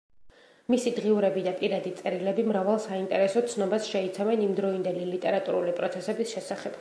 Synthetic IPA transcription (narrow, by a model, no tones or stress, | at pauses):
misid̪ʁiuɾɛbid̪apʼiɾad̪it̪sʼɛɾilɛbimɾavalˠsaint̪ʼɛɾɛsɔt̪sʰnɔbasʃɛit̪sʰavɛnimd̪ɾɔind̪ɛlilit̪ʼɛɾat̪ʼṵɾulipʼɾɔt̪sʰɛsɛbisʃɛsaχɛb̥